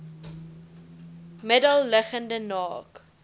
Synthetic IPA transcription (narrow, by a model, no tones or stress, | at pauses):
mədəlˠːəχəndənɑːk